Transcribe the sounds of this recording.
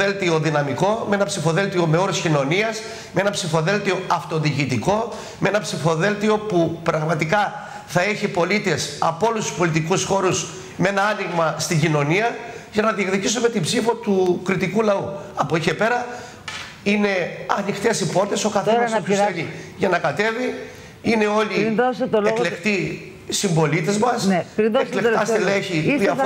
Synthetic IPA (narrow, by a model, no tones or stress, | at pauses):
elt̪io̞ðinɐmiko̞meenɐpsifo̞ðe̞lt̪io̞me̞o̞ɾoscino̞niɐs | meenɐpsifo̞ðe̞lt̪io̞ɐft̪o̞ðicit̪iko̞ | mee̞nɐpsifo̞ðe̞lt̪io̞pupɾɐɣmɐt̪ikɐ | θɐe̞çipo̞lit̪e̞sɐpolust̪u̥spo̞lit̪ikusxo̞ɾus | meenɐɐniɣmɐst̪iɟino̞niɐʝɐnɐðiekðicisume̞t̪ibsifo̞t̪ukɾit̪ikulɐuɐpoiçepe̞ɾɐ | ine̞ɐnixt̪e̞sipo̞ɾt̪e̞so̞kɐθespuseniʝɐnɐkɐt̪e̞vi | ine̞o̞liost̪leklekt̪i | simbo̞lit̪e̞zmɐsɾieklek̪ɐsileçiðiɐ